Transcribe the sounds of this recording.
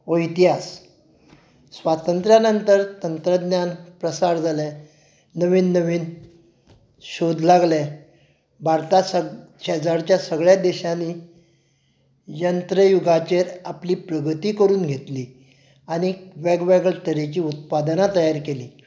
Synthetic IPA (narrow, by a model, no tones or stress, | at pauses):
oit̪iɦas | ʋat̪ənt̪ɾjanənt̪əɾt̪ənt̪ɾəd̪njanpɾəsaɾd͡zʱalɛ | nəʋiːnːəʋiːn | ɕod̪ʱlaɡlɛ | bʱaɾt̪asə | ɕɛd͡zaɽt͡ɕjasəɡɭjad̪eɕani | jənt̪ɾəjuɡʱat͡ɕeɾapliːpɾəɡət̪iːkəɾuːnɡʱet̪liː | añiʋɛɡʋɛɡəɭʈ̪əɾet͡ɕiːut̪̚pad̪nat̪əjaɾkeliː